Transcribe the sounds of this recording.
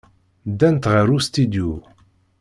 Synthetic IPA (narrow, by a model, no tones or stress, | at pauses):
d̪ænt̪ʁəɾust̪id̪ju